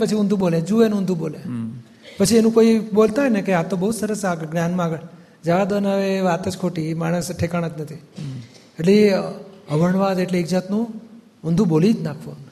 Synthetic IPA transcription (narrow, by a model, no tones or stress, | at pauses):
pət͡ʃʰiũnd̪ʱũbolẽd͡ʒuʋenʊ̃nd̪ʱũbole | pət͡ʃʰienũkoibolt̪aɦɔjnekeat̪ːobəɦud̪səɾəsaɡɡnjanmãaɡəɭ | d͡ʒəʋad̪bənaʋeʋat̪əd͡ʒkʰoʈimaɽ̃əsʈʰekaɽ̃ət̪nət̪ʰi | eʈle | əʋəɳʋad̪eʈleɪɡd͡ʒat̪nũ | ʊnd̪ʱũbolid͡ʒ̪nakʰʋon